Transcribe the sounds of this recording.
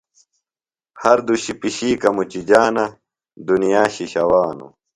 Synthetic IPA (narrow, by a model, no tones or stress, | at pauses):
hɐɾd̪uɕipiɕiːkɐmut͡ɕid͡ʑaːnɐ | d̪unijaːɕiɕɐwaːnṵ